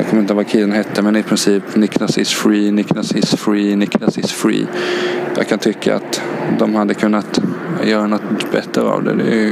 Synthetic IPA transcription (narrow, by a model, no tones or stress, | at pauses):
a̰kʰɔmɾɪnəvakʰɪd̪ənhɦɛt̪ʰːəmɛnɪpʰɾɪnsiːpnɪknasɪsfɾiːnɪknasɛsfɾiːnɪknasɪsfɾḭːja̰kʰant̪ʰʏkʰːa̰a̰t̪d̪ɔmhad̪ːəkʰɵnːat̪jœːɾanɔt̪bɛt̪ːɾɾəa̰vd̪ɛ̰d̪ɛ̰